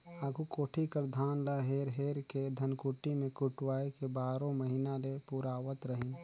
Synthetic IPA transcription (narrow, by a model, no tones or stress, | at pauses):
aɡʱukoːʈʰikəɾd̪ʱaːnlaɦeɾɦeɾked̪ʱənkuʈimekuʈwaːekebaːɾõməɦinalepuɾaːwət̪ɾəɦin